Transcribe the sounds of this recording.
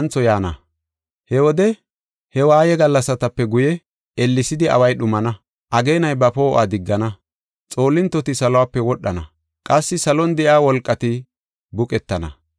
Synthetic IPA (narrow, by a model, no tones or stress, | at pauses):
nt͡sːɔjaːnɐ̰ | hɛwɔd̪ɛ | hɛwaːjɛɡɐlːɐsːɐt̪ɐpːɛɡʊjɛ | ɛlːɪsɪd̪ɪɐ̰wɐjɗʊmɐnɐ | ʔɐɡe̞ːnɐjbɐpo̞ːʔa̰ːd̪ɪɡːɐnɐ | t͡sʼo̞ːlːɪnt̪ːɔt̪ɪsɐlɔwaːpːɛwɔɗːɐnɐ̰ | kʼɐsːɪsɐlɔnd̪ɛʔaːwɔlkʼːɐt̪ɪ | bʊkʼɛt̪ːɐnɐ̰